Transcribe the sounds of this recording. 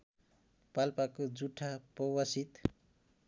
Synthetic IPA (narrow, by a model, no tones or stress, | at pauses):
palpakod͡zuʈʰapʌwʌsit̪